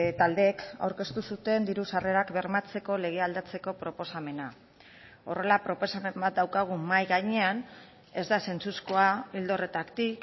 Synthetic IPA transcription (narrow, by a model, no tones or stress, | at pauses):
t̪ald̪e̞ka̰wɾke̞st̪usut̪e̞nd̪iɾusare̞ɾakbe̞ɾmat͡se̞ko̞le̞ɣ̞e̞ald̪at͡se̞ko̞pɾo̞po̞same̞na | o̞̰re̞lapɾo̞po̞same̞mbat̪̚d̪awkaɣ̞umajɣajɲe̞an | e̞zd̪ase̞nt͡susko̞aild̪o̞re̞t̪akt̪ik